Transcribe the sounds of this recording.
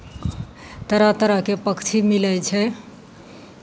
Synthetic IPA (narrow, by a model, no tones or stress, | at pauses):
t̪əɾət̪əɾəɦkepəkʰt͡ʃʰimilɛt͡ʃʰɛ